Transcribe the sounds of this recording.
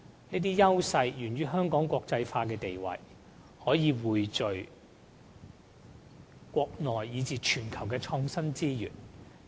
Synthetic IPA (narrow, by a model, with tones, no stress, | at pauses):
niː˥t̪̬iː˥jɐ˥wsɐ˧jjyː˨˩nɥyː˥ɦœː˥ŋkɔː˨˥ŋkʷɔː˧k̚t͡sɐ˧jfaː˧kɛː˧t̪e˨jwɐ̰˨j | hɔː˨˥jiː˨˧wuː˨˩jt͡sɵ˨ɥ | kʷɔː˧k̚nɔː˨jːiː˨˧t͡siː˨t͡ʃʰyː˨˩nkʰɐ˨˩wkɛː˧t͡sʰɔː˧ŋsɐ˥nt͡siː˥jy̰ː˨˩n